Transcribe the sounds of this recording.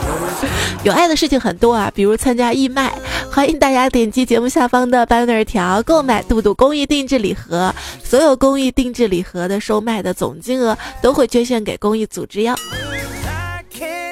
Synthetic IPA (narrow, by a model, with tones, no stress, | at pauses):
jo˨˩a˥˩ɪd̪ə˩ʂɻ̩˥˩t͡ɕʰi˨˩ŋxə˨˩nt̪wɔ˥ɐ̰˨pi˨˩ɻu˧˥t͡sʰa˥nt͡ɕja˥i˥˧ma˥˩ɪxwa˧˥ɪi˧˥ŋt̪a˥˩t͡ɕja˥t̪jɛ˨˩nt͡ɕi˥t͡ɕjɛ˧˥mu˥˧ɕja˥˩fɑ˥ŋd̪ə˨pa˥nə˞˨˧˥t̪ʰjɑ˧˥ʊko˥˩ʊma˨˩ɪt̪u˥˧t̪u˥˩kʊ˥ŋi˥˧t̪i˥˧ŋʈ͡ʂɻ̩˥˩li˨˩xɤ˧˥swɔ˧˥jo˨˩ʊkʊ˥ŋi˥˧t̪i˥˧ŋʈ͡ʂɻ̩˥˩li˨˩xɤ˧˥d̪ə˧ʂo˥ʊma˥˩ɪd̪ə˩t͡sʊ̰˨˩ŋt͡ɕi˥ŋɤ˧˥t̪o˥ʊxwe˥˩ɪt͡ɕɥɛ˥ɕ̬jɛ˥˩nke˨˩ɪkʊ˥ŋi˥˩t͡sṵ˨˩ʈ͡ʂɻ̩˥jɑ˥˩ʊ